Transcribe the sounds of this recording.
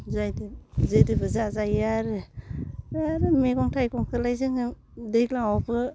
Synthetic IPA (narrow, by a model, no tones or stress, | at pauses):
zajdzɯjdɯbɯzazajaɾɯ | aɾɯmeɡɔŋtʰajkɔŋkʰɯlajzɯŋɯ | dejklaŋawbɯ